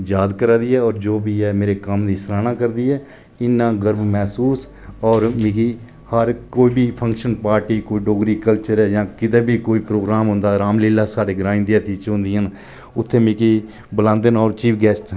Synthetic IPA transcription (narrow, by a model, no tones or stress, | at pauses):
jaːd̪kəɾaːd̪iːɛːɔːɾd͡ʒoːbiːɛːmeːɾeːkəmd̪iːsəɾaːnãːkəɾd̪iːɛː | ɪnːãːɡəɾbmɛːsuːs | ɔːɾmĩːkiː | həɾkoːiːbiːpʰə̃ŋkʃənpaːɾʈiːkoːiːɖoːɡɾiːkəlt͡ʃəɾɛːjãːkɪd̪ẽːbʱiːkoːiːpɾoːɡɾaːmɦʊ̃ːnd̪aːɾaːmleːlːaːsaːɖeːɡɾaːɪ̃nd̪eːt̪iːt͡ʃɦʊ̃nd̪iːan | ʊt̪ʰːeːmĩːkiː | bəlãːnd̪enɔːɾt͡ʃiːpɡɛːsʈ